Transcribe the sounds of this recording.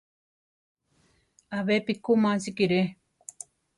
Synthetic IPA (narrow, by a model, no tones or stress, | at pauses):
aβepikumãsikiɾe